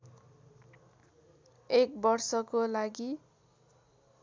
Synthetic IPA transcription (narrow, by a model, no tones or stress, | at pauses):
ekbʌrsʌkolaɡi